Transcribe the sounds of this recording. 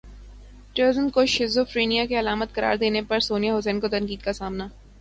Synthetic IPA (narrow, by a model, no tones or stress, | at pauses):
ʈəːɾzənkoʃɪzofɾeːnijakeɐlaːmət̪̚kɐɾa̰ːɾd̪eːnepɐɾsoːnijaɦʊsɛ̃ːnkot̪ɐ̃ŋkiːd̪̚kasaːmna